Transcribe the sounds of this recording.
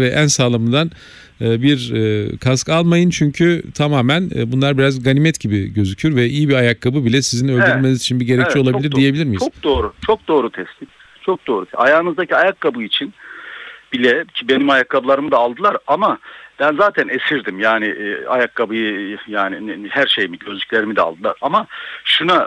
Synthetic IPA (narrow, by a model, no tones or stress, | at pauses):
vɛʔænsaːlˠamɯnd̪an | ɯːbiɾkʰaskalˠmajɯnt͡ʃʰyɲcʰyt̪ʰamaːmæn̰bunlˠaɾbiɾazɡanʲimɛt̪ɟibiɟø̞zycʰyjoɾvɛʔijibiajakʰːabɯbilʲɛsizinølʲd̪yɾylʲmenizit͡ʃʰinbiɟe̞ɾɛc̚t͡ʃɛolˠabilʲiɾd̪ije̞bilʲiɾmik̚d̪oːɾut͡ʃʰo̞k̚d̪o̞ːɾut̪ʰɛst̪ʲim | t͡ʃʰo̞k̚d̪o̞ːɾut̪ʰajaːɯnɯzd̪aciajakʰːabɯit͡ʃʰin | b̥ilʲɛcʰibe̞nimajakʰːabɯlˠaɾɯmɯd̪aːlˠd̪ɯlˠaɾamab̥ænzaːt̪ʰænesiɾd̪imjaːnɪʔa̰jakːabɯjɯjaːnihæɾʃe̞jmiɟøzlʲycʲlʲe̞ɾimid̪ɛa̰lˠd̪ɯlˠa̰ɾamaʃuna